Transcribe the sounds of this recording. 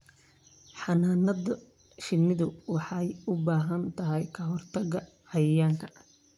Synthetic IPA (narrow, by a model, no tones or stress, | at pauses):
ħɑnaːnɐðɐ | ʃɪnːɪðʊwɑħɑjʊbaːɦɐnt̪ʰɐɦɛjkʰɐɦɔrt̪ʰɐɣɐʕɑjɐjaːŋkʰɐ